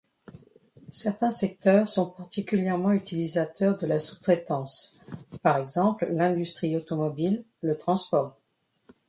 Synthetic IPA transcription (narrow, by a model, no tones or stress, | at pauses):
sɛʁt̪ɛ̃sɛk̚t̪œʁsɔ̃paʁt̪ikʲyljɛʁmɑ̃yt̪ʰilizat̪œʁd̪əlasu̥t̪χɛt̪ɑ̃s | paʁɛɡzɑ̃pllɛ̃d̪yst̪χiot̪ɔmɔbilː | ət̪χɑ̃spɔʁ